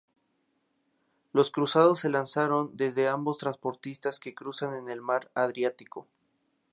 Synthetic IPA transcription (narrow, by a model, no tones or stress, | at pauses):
lo̞skɾusað̞o̞sːe̞lansaɾo̞nd̪e̞zðe̞ambo̞st̪ɾanspo̞ɾt̪ist̪aske̞kɾusane̞ne̞lmaɾaðɾjat̪iko̞